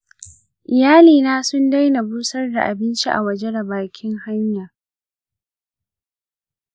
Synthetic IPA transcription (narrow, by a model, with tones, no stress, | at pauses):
ʔɪ˨jaː˦liː˨naː˦sʊ˦nda˦jna˨buː˦sɐ˦rda˨ʔa˨bɪ˦nt͡ʃi˦ʔa̰˨wɐ˨d͡ʒe˦da˨baː˨kʲɪ˦ŋha˦ɲjaː˨